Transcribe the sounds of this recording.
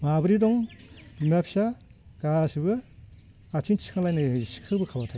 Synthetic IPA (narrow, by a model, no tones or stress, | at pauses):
mabɯɾidɔŋmepʰsa | ɡ̥asɯbɯ | at͡ʃʰint͡ʃʰi̥kʰaŋlajnɯsi̥kʰɯbɯkʰawbatʰak